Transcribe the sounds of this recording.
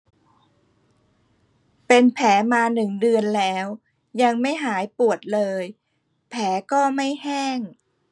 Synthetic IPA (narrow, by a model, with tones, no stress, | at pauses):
pe˧npʰɛː˩˦maː˧nɯ˨˩ŋdɯ˧ənlɛː˦˥w | ja˧ŋma˥˩jɦaː˩˦jpu˨˩ət̪̚lɤː˧j | pʰɛː˩˦kɔː˥˩ma˥˩jhɛː˥˩ŋ